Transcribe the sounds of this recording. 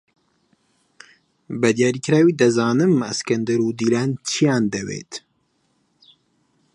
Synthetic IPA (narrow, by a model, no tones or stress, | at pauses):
bɐd̪jaːɾiːkɾaːwiːd̪ɐzaːnɨmɐ̰skɐnd̪ɐɾud̪iːlaːnt͡ʃʰijaːnd̪ɐwḛːt̪